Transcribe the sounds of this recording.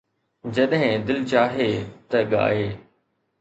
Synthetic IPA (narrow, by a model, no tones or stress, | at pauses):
d͡ʑɐɗɦɪ̃d̪ɪlt͡ɕaːɦet̪ɐɠa̰ːeː